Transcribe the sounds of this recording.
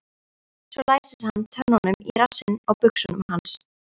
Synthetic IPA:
svɛlaːjsɪshanːt̪ʰœnːɔnʏmiɾasɪnaɣpʏksʏnʏmhans

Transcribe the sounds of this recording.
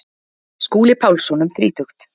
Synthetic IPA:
skuːlɪpʰaːwlsɔnʏmθɾiːt̪ʰʏxt̪

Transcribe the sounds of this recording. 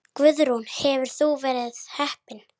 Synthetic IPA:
kvʏðɾunhɛvʏɾ̥θuvɛːɾɪðhɛhpɪn

